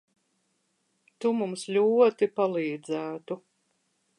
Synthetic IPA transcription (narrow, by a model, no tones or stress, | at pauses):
t̪umumslʲuɔt̪ipalˠiːd̪zæːt̪u